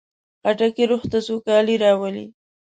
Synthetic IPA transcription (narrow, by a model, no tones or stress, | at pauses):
aʈakeɾʊxt̪asokɑliɾɑwəlḭ